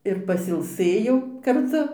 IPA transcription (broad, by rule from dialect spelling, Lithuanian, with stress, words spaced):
ɪr pɐsʲɪlˠˈsɘjɛʊ kɐrˈtʊ